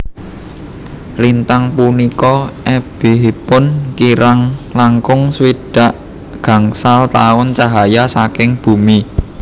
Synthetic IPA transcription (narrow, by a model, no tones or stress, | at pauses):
lint̪aŋpunikɔɛb̥e̤ɦipʊnkiɾaŋlaŋkʊŋswiɖ̥a̤ʔ | ɡ̥ä̤ŋsalt̪aʊnt͡ʃaɦajasakɪŋb̥ṳmi